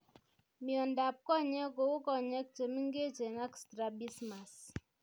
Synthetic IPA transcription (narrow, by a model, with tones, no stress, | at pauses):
mi˨ɔ˨nda˨p̚kɔ˦ɲɛ˦ko˨wu˦kɔ˨ɲɛ˦k̚te˨mi˦ŋɡe˦t͡ʃe˨na˦kstɾa˨bi˦sma˨s